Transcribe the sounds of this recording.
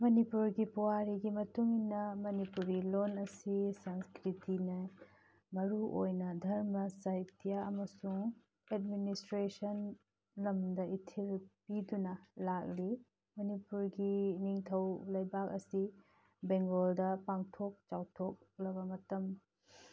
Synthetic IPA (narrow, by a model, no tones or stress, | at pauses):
mɐnipuɾɡipuwaɾiɡimɐtuŋinːɐmɐnipuɾɡilonɐsisanskɾitinɐ | mɐɾuʔo̰jnɐdʱɐɾmɐsɐjtijaɐmɐsuŋ | ed̚ministɾesɐn | lɐmdɐitʰebpidunɐlak̚li | mɐnipuɾɡiniŋtʰɐwlɐjbak̚ɐsi | beŋɡoldɐpaŋtʰok̚t͡ʃawtʰok̚lɐbɐmɐtɐm